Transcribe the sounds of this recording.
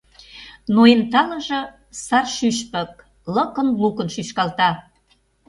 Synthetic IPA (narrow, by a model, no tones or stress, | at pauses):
noent̪ɑlə̆ʒə̆ | sɑrʃyʃpə̆k̚ | lə̆kə̆nlukə̆nʃyʃkɑlt̪ɑ